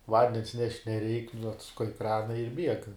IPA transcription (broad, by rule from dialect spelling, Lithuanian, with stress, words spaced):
ˈʋɐnʲdʲɛns nʲɛʃʲtʲ nʲɛˈrʲɛɪk nʊ ɐtsʊˈkɐɪ ˈkrɑːnɐ ɪr bʲiɛk